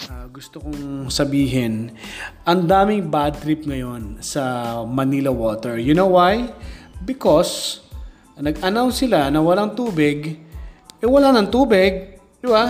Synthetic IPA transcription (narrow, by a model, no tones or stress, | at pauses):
aɡʊst̪okoŋsɐbiːɦɪnʔɐnd̪aːmɪŋbad̪̚t̪ɾɪpŋɐjo̞nsɐmɐnilɐwoːt̪ɛɹjʊnowwajbɪkos | nɐɡɐnawnsɪlanɐwɐlaŋt̪uːbɪɡ | ʔɛwɐlaːnɐŋt̪uːbɪɡ̚ | d̪ɪba